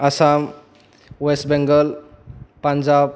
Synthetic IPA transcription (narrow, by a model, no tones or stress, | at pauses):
asam | wesʈbɛŋɡəlpand͡ʒab̚